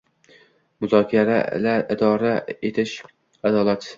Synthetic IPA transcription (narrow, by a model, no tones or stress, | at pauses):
mʊzɒkʲʰaɾa̰laɪd̪ɒɾaet̪ʰɪʃ | ad̪ɒlˠat̪